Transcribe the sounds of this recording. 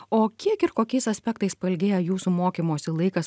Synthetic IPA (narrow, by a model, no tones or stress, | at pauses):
oːkʲiɛkɪɾkoːkʲɛɪsɐsʲpʲɛk̚t̪ɐɪspɐlʲɡʲeːjɛjuːsumoːkʲiːmoːsʲɪlˠɐɪkɐs